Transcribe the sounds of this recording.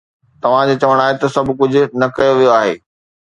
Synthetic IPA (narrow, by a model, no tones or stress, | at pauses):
t̪ɐʋ̤ãd͡ʑoːt͡ɕɐʋəɽ̃aːɦet̪ɐsɐbʱʊkʊd͡ʑʱʊ̆nɐkɐjoʋijoaːɦḛː